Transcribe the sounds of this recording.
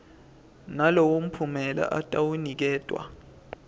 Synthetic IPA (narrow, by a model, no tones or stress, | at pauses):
nalowum̩pʰumɛla̰ʔatʼawunik̬ɛːd̥ʱʼwa̰